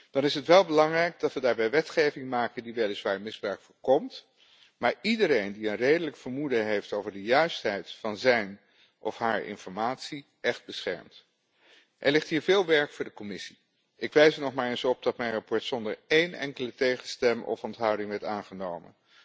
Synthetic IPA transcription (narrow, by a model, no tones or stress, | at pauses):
d̥ɑnɪsətʋɛlˠbəlɑŋrɛjk̚dɑtʋədaːɹbɛjʋɛtχejvɪŋmaːkəndiʋɛlɪsʋaːɹmɪzbrœɥkfʊːɹkɔmt | maːɹidəɾejndiənrejdələkfəɹmudəɦejftowvəɹdəjœɥstɦɛjtfɑnzɛjn | ʔɔ̰fɦaːɹɪ̰nfɔɹmaːtsi | ʔɛχd̚bəsχɛ̰ɹmt | ʔɛ̰ɹlɪχtɦiːɹvɪːlˠʋɛɹkfʊːɹdəkɔmɪsi̥ | ʔɪkʋɛjsəɹnɔχmaːɹensɔp̚dɑtmɛjnrɑpɔɹtsɔndəɹejnʔɛ̰ŋkələtejχənstɛmɔ̰fɔntɦɑwdɪŋʋɛɹtaːnχənowmə̰n